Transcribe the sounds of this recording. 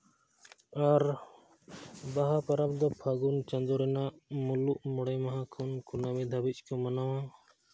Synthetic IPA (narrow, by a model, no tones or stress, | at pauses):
aɾ | baɦapəɾab̚d̪ɔpʰaɡunt͡ʃə̃nd̪ɔɾɛnaʔmuluʔmɔɽɛmaɦãkʰunkunabid̪ʱabit͡ʃkɔmɐnawã